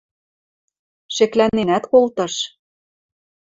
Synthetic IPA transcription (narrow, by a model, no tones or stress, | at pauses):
ʃĕklænenæt̪kolt̪ɤ̆ʃ